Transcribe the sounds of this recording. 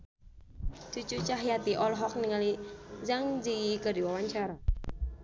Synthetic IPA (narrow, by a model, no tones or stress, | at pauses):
t͡ʃut͡ʃut͡ʃaɦjat̪iʔɔlɦɔk̚niŋalid͡ʒaŋd͡ʒijikədiwawaɲt͡ʃaɾa